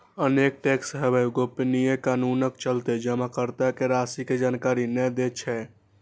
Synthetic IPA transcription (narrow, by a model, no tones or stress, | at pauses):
ənek̚ʈeksɦebɛɡopnijekanunəkt͡ʃəlt̪ed͡ʒəmakəɾt̪akeɾasiked͡ʒaːnkaɾinɛd̪et͡ʃʰɛ